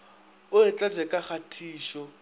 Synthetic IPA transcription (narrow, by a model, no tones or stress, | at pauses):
ʊɪt͡ɬʼad͡zɛkʼaχatʰiːʃɔ